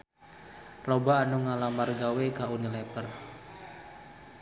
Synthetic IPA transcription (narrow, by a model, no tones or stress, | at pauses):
robaːnuŋalamarɡawekaunilɛpər